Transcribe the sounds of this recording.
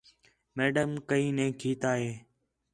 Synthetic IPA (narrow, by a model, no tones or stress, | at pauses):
meːɖəmkəĩːnẽːkʰiːt̪aːɦeː